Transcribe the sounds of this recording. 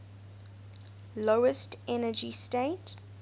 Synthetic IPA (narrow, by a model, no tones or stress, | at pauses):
loʊəstɛnəd͡ʒistet